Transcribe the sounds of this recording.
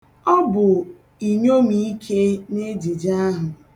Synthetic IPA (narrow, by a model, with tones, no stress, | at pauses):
ɔ˦bʊ˨ | i˨ɲo˦mi˦i˦kʰe˦ne˦d͡ʒi˨d͡ʒa˦ɦʊ˨